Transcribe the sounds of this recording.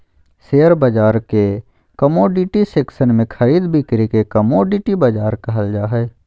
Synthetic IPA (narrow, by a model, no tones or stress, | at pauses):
seːəɾbɐd͡ʒaːɾke | kəmoːɖɪʈiseːksənmẽkʰəɾiːd̪bɪkɾikekəmoːɖɪʈibɐd͡ʒaːɾkɐɦəld͡ʒaːɦɛː